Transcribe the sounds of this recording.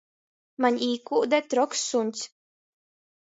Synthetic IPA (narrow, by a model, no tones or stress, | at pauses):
manʲiːkuːd̪ɛt̪ɾɔksːunʲt̪sʲ